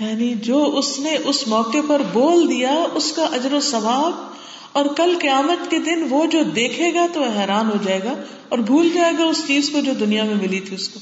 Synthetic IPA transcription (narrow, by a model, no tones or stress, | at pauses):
jaːnid͡ʒoːʊsneʔʊsmɔːkepɐɾboːld̪ijaʊskaʔɐd͡ʒɾosɐʋaːb | ɔːɾkɐlkɐjaːmət̪ked̪ɪnʋod͡ʒoːd̪eːkʰeːɡat̪oɦɛːɾaːnɦod͡ʒaːeːɡaː | ɔːɾbʱuːld͡ʒaːeːɡaʊst͡ʃiːzkod͡ʒoːd̪ʊnijamẽmɪlit̪ʰiʊskoː